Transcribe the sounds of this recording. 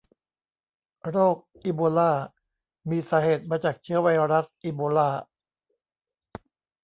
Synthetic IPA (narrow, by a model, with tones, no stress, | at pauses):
ɾoː˥˩k̚ʔiː˧boː˧laː˥˩ | miː˧saː˩˦heː˨˩t̪̚maː˧t͡ɕaː˨˩k̚t͡ɕʰɯ˦˥ɐwa˧jɾa˦˥s̚ʔiː˧boː˧laː˥˩